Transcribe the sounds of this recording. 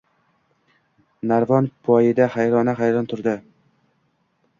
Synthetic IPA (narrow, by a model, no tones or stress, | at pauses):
naɾvɒnpʰɒjɪd̪ahajɾɒnaɦajɾɒnt̪ʰʊɾd̪ɪ